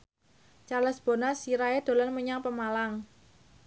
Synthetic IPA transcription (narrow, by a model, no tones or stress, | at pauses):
t͡ʃaləsb̥o̤nasiɾaed̪̥o̤lɔnməɲaŋpəmalaŋ